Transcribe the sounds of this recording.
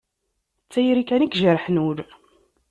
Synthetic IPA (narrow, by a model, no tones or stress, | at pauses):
t͡sːæjɾikænikʒəɾħnuɾ